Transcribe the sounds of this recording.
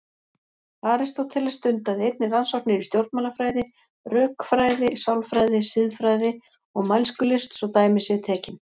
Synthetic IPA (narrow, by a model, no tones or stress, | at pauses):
aːɾɪst̪owt̪ʰɛlast̪ʏnt̪aðɪejt̪̚nɪransɔwhknɪɾist̪jowɾ̥t̪maːlafɾaːjðɪ | rœːkfɾaːjðɪsawlfɾaːjðɪsɪðfɾaːjðɪ | ɔɣmajlskʏlɪst̪sɔwt̪aːjmɪsɪt̪ʰɛːcɪn